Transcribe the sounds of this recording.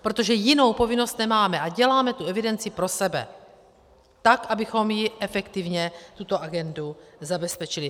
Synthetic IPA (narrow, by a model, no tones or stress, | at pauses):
pɾo̞t̪o̞ʒɛjɪno̞wpo̞vɪno̞st̪nɛmaːmɛʔaɟɛlaːmɛt̪uɛvɪdɛnt͡sɪpɾo̞sɛbɛ̰ | t̪akʔabɪxo̞mjɪʔɛfɛkt̪ɪvɲɛt̪ut̪o̞ʔaɡɛnduzabɛspɛt͡ʃɪlɪ